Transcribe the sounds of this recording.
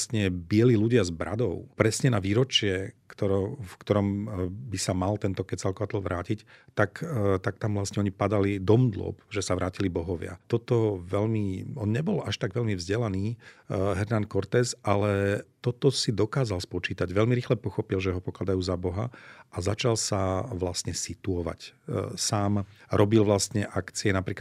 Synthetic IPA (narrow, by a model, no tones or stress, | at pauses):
st̪ɲɛbɪɛliːluɟɪazbɾʔa̰d̪ɔʊpɾɛsɲɛnaʋiːɾɔt͡ʃɪɛkt̪ɔɾɔfkt̪ɔɾɔmbisamalt̪ɛnt̪ɔkɛsalkɔʋat̪ɔl̩ʋɾʔaːcict̪akt̪ak̚t̪amʋlast̪ɲɛɔɲipad̪alid̪ɔmd̪lɔ̰pʒɛsaʋɾaːcilibɔɦɔʋɪa̰t̪ɔt̪ɔʋɛʎmiɔnɲɛbɔlaʃt̪aɡʋɛʎmivzɟɛlaniːɦɛɾnankɔɾt̪ɛːsalɛt̪ɔt̪ɔsid̪ɔkaːzalspɔt͡ʃiːt̪aɟʋɛʎmiɾixlɛpɔxɔpilʒɛɦɔpɔklad̪ajuːzabɔɦaʔazat͡ʃalsaʋlast̪ɲɛsit̪uɔʋa̰csaːmɾʔɔbilʋlast̪ɲɛʔakt͡siɛnapɾiːk